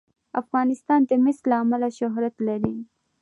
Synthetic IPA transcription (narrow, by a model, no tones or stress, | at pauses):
afɣɑnɪst̪ɑnt̪amɪslaːmalaʃʊɦɾat̪laɾi